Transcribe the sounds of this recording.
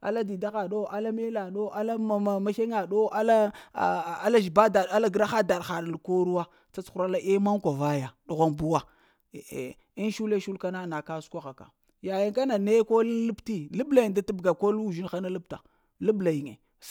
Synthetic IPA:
a̰˨la˦di˨da˦xa˨ɗo˦ʔa˦la˦me˦la˨ɗo˦ʔa˦la˦˨ma˦ʃe˦ŋa˨ɗo˦a˦la˦˨ | a˦la˦ʒi˨ba˦da˨a˦la˦ɡɾa˦xa˦da˨ɗxa˨ɾa˨lko˦ɾu˦wa˦ | t͡sa˦t͡su˦ɾa˦la˦ʔe˦ma˦ŋkʷa˨va˦ja˨ɗu˨ɣʷa˦nbu˦wa̰˦˨ | i˦n˦ʃu˦le˦ʃu˦lka˦na˦na˨ka˦skʷa˦xa˨ka̰˨ | ja˨ja˦ŋka˦na˨ne˦ko˦llu˦pti˦lu˦bla˨ji˨da˦ti˦bɡa˨ko˦lu˦˨ʒi˦nxa˦na˦lu˦pta̰˨ | lu˦bla˨ji˨ŋḛ˨

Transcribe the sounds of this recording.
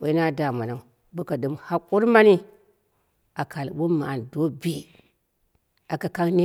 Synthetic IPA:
wu˨˦i˦na˦da˨ma˨na˨ | bu˦ka˨ɗɨ˨mha˦ku˦ɾma˦ni˦ | a˨kʰa˨lwu˦ma˨a˨ndo˦bi˦ | a˨ka˨ka˦ŋne˦

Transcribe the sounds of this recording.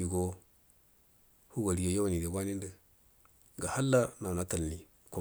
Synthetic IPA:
i˨ɡo˦ | hu˦wa˨ɾi˨jo˨ja˦wa˨ni˨de˨bʷa˦ni˦ndə˨ | ɡa˨ha˦lːa˦na˨na˨˦ta˨lni˨ | ko˦

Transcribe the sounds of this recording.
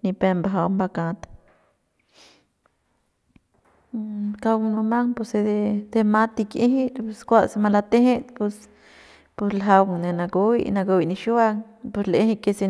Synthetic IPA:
ni˧pe˧mba˧ɦa˧wmba˧ka˧t̪ | ka˧wnu˧ma˦ŋpo˧se˧d̪e˧d̪̥e˧ma˦t̪i˧ke˦ɦi˦pu˧skʷa˦sma˧la˧t̪e˦he˦t̪pu˧s | pu˧slɦa˧wŋne˧na˧ɡu˧˦jna˧ɡo˧jni˧ʃwa˦ŋ | pu˧sle˧hi˦˧ke˧se˧

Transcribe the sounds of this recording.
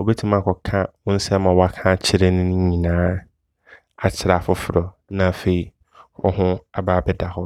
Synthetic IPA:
o˨be˦tʰĩ˦mã˦˨kʰɔ˨kʰã˦wʊ̃˦n̩˦sɛ˦mã˨wɔ˦a˦kʰã˦˨t͡ɕʰɪ˦ɾe˦nʊ̃˦ñ˦ɲĩ˨nãː˨˦ | a˨t͡ɕʰɪ˨ɾa˨fʊ˦fʊ˨ɾɔ˨ | nã˨fe˨i˦ | ɔ̰˦ɦʊ̃˦a˨baː˦˨bɛ˦da˨hɔ˦

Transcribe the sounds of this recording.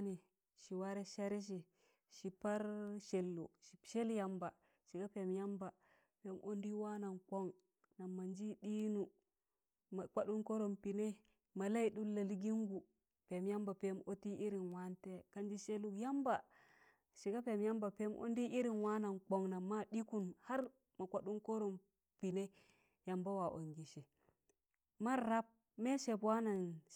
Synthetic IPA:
ni˨ | ʃi˨wa˦ɾe˦ʃa˦ɾi˦ʃ̬i˨ | ʃi˨pa˦ɾʃe˨lːṵ˨ʃi˨ʃe˦lja˨mba˨ | ʃi˨ɡa˦pe˨mja˦mba˨ | pe˨˦mʔo˦ndi˦wa˦na˨nk͡po˦ŋ | na˨mːa˨nd͡ʒi˦di˦nu˨ | ma˨k͡pa˦ɗu˦nko˦ɾo˨mpi˨ne˦ | ma˨la˦i˨ɗu˦lːa˨li˦ɡi˦ŋɡu˨ | pe˨mja˦mba˨pe˦mo˦ti˦ʔi˦ɾi˨nwa˦nte˦ka˦nd͡ʒi˦ʃe˦lu˦kja˦mba˨ | ʃi˨ɡa˦pe˨mja˦mba˨pe˦mʔo̰˦n˦di˦ʔi˦ɾi˨nwa˦na˨nk͡po˨ŋna˨mːa˦ɗi˦ku˦nha˦ɾ | ma˨kʷa˦ɗu˦ŋko˦ɾo˨m | pi˨ne˦ | ja˨mba˦wa˨ʔo̰˨ŋɡi˨ʃe˨ | ma˦ɾa˦p̚ | me˦ʃe˨pwa˦na˨n

